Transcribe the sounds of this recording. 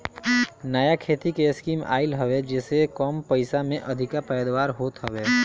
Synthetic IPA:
nəjakʰeːt̪ikeskiːma̰ːɪlɦɐʋed͡ʒɛːsekɔːmpɐɪsamẽʔɐd̪ʱɪkapɛːd̪ʋaːɾɦoːt̪ɦɐʋeː

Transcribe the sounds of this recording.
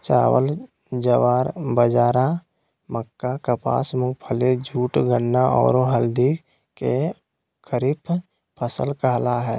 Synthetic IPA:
t͡ʃa̰ːwə̰l | d͡ʒəʋaːɾbəd͡ʒaːɾa | məkːakəpa̰ːsmʊɡpʰəled͡ʒʱuːʈɡənːaɔ̰ːɾoɦəld̪i | ke | kʰəɾipʰ | pʰəsəlkəɦlaɦɛː

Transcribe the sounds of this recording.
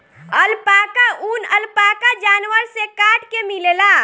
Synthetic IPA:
əlpaːkaunəlpaːkad͡ʒaːnwəɾsekaːʈkemilela

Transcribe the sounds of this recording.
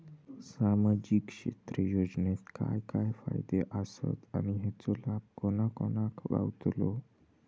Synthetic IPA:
samad͡ʑikʂḛt̪ɾəjod͡ʑnet̪ka̰jkajfa̰jd̪eʔəsə̰t̪añiɦɛt͡solab̚koñakonakʋa̰wt̪lo

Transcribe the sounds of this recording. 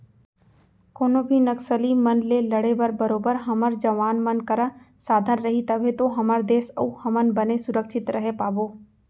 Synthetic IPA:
koːnobʱinɐksəlimɐnleːlɐɽebəɾbɐɾoːbəɾɦɐməɾd͡ʒɐʋaːnmɐnkɐɾa | saːd̪ʱənɾɐɦit̪ɐbʱẽt̪oɦɐməɾd̪eːsɐ̰uhɐmənbɐnesʊɾəkʃɪt̪ɾʔɐɦepaːboː

